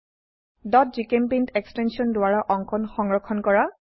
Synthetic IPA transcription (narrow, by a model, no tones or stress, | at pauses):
dɔt̚zikempintekstɛnsiɔndʊwaɹaʔɔŋkʰɔnxɔŋɹɔkʰːɔnkɔɹa